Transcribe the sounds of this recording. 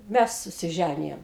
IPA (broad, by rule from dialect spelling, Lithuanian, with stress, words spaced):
ˈmʲæs sʊsʲɪˈʒʲænʲɪjoːm